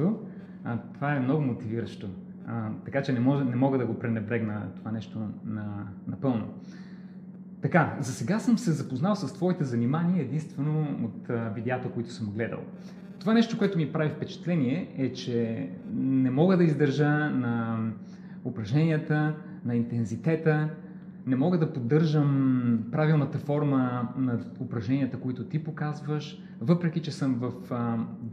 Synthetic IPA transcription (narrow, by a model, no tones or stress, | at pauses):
o | t̪ovaɛmnɔɡʊmot̪iviɾəʃt̪o | t̪ɐkat͡ʃɛnɛmɔʒnɛmɔɡəd̪ɐɡopɾɛnɛbɾɛɡnət̪ovanɛʃt̪onɐnɐpɤlˠno̰ | t̪ɐkazɐsɛɡasəmsɛzɐpoznalˠsɐst̪vɔit̪ɛzɐnimaniəɛd̪inst̪vɛnoot̪vid̪ɛat̪əkoit̪ʊ̥səmuɡlɛd̪ə̰lˠ | t̪ovanɛʃt̪okoɛt̪ʊmipɾavifpɛt͡ʃɛ̥t̪lɛniɛɛt͡ʃɛ | nɛmɔɡəd̪ɐizd̪ɐɾʒənɐ | ʊpɾɐʒnɛniət̪ə | nɐint̪ɛnzit̪ɛt̪ə | nɛmɔɡəd̪ɐpod̪ːɤɾʒəmpɾavilˠnət̪əfɔɾmənɐʊpɾɐʒnɛniət̪əkoit̪ʊt̪ipokazvəʃ | vɤpɾɛk̟it͡ʃɛsɤmvəf